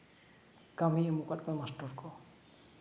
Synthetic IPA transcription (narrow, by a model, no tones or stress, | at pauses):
ɡamiɛmukat̚kɔjmastɔɹkɔ